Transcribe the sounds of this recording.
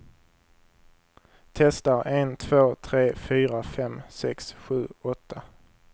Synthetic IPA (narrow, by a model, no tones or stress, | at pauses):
t̪ʰɛst̪aɾent̪ʰv̥oːt̪ʰɾeːfyːɾafɛmsɛksɧʉ̟ːɔt̪ʰːa